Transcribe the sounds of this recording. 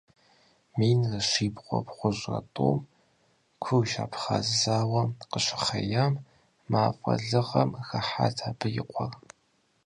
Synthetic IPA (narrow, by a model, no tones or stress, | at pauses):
miːnrɐɕiːpqʷɔpχʷʊʑʼrɐ̰tʼo̰ːm | kʷʰɨwʃa̰ːpʰχa̰zzaːwɐqəɕɪ̥χɐjaːmː | aːfʼɐ̰ɮɨʁɐmxɐħa̰ːtʰaːbʰɨjɪ̰qʷʰʼɔr